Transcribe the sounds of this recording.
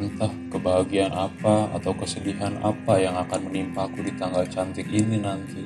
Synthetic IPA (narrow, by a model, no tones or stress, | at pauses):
nt̪ahkəbaɦaɡianʔapaa̰t̪awkəsədiɦanʔa̰pajaŋakanmənimpakudit̪aŋɡalt͡ʃant̪ɪkininant̪i